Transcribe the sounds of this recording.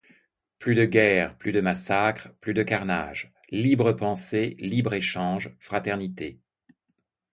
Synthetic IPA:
plyd̪əɡɛʁplyd̪əmasakχəplyd̪əkaʁna̰ːʒ | libʁəpɑ̃selibʁeʃɑ̃ʒfχat̪ɛʁnit̪e

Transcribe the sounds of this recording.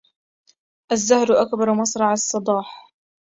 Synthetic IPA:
ʔazːahɾʔakbɑɾˤmɑsˤɾˤɑʕɑsˤːɨd̪ˤɑːħ

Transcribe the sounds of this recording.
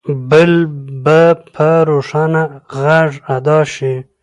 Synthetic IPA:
bəlbəpʰəɾoʂanaɣaʐad̪ɑʃi

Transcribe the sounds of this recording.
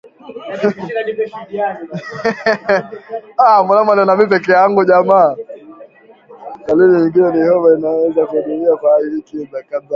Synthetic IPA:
amanamananamip̬ɛkɛjaŋɡuʄama | kaliniiŋɡinɛnihɔmainawɛzakuɗumiafaiikidakaða

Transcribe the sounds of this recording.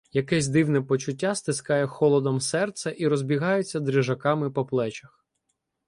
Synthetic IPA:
jɐkɛsʲd̪ɪwnɛpɔt͡ʃʊtʲːast̪ɪskɑjɛxɔlˠɔd̪ɔmsɛrt̪sɛʔiɾɔzʲbʲiɦɑjet͡sʲːɐd̪ɾɪʒɐkɑmɪpɔplˠɛt͡ʃɐx

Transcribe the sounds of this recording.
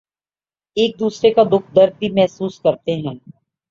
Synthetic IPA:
eːk̚d̪uːsɾekad̪ʊkʰd̪əɾd̪̚bimɛɦsuːskɐɾt̪eɦɛ̃ː

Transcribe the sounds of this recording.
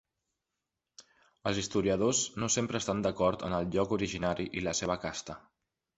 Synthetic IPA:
əlˠzist̪uɾiəðoznosempɾəːst̪and̪əkɔɾt̪ə̰nəlˠʎɔkuɾiʒinaɾiʔiləseβ̞əkast̪ə

